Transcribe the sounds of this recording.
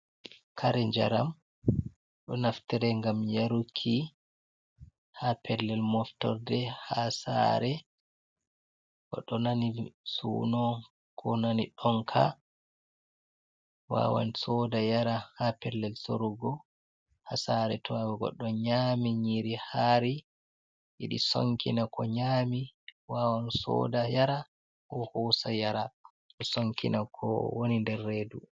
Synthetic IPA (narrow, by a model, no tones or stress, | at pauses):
kʰaɾɛɲd͡ʒa̰ɾam | ɗɔnaftɛɾɛŋɡamjaɾukʰːi | hapʰɛlːɛlmɔftɔ̰ɾdɛhasa̰ɾɛ | kɔɗɔnanisṵːnɔ | kʰɔnaniɗɔŋkʰa̰ | wa̰wa̰nsɔdajaɾahapɛlːɛlso̰ɾuɡɔ | hasaɾɛtʰɔawɛɡɔ̰ɗːɔɲamiɲiɾihaːɾi | jḭɗiso̰ŋkinakʰɔɲaːmiwawansɔ̰ːdajaɾa | kɔhusajaɾa | ɔsoŋkinakʰɔ̰wonindɛrːeːdu